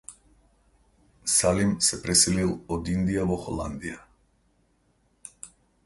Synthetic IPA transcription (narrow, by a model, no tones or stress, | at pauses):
salimsɛpɾɛsililˠɔd̪ind̪ijavɔxɔ̰lˠa̰nd̪ija